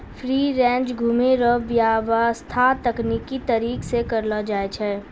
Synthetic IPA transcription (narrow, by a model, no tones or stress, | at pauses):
fʰɾiːɾɛ̃ːnt͡ʃɡʱuːmeɾəbjaʋast̪ʰat̪ɐkniːkit̪əɾiːksekɐɾlad͡ʒaːet͡ʃʰɛ